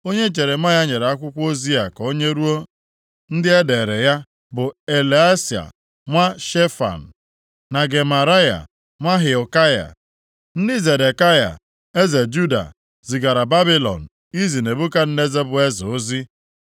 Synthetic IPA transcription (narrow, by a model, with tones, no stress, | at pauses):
o˦ɲe˦t͡ʃe˨ɾe˨ma˦ja˦ɲe˨ɾe˨a˦kʷʊ˦kʷo˦zi˦a˨ko˦ɲe˦ɾu˦o˦ | n̩˦dɪ˦e˦de˨ɾe˨ja˦ | bʊ˨e˨le˨a˦si˨a̰˨ | ŋʷa˦ʃe˦fa̰˨n̩˨ | na˨ɡe˨ma˨ɾa˦ja̰˨ | ŋʷa˦ɦe˨ɔ˨ka˦ja̰˨ | n̩˦dɪ˦ze˨de˨ka˦ja̰˨ | e˦ze˨d͡ʒu˦da̰˨ | zi˨ɡa˨ɾa˨ba˦bi˦lɔ̰˨n̩˨ | i˦zi˨ne˨bu˦ka˦n̩˦ne˦ze˦bʊ˨e˦zo˦zi˦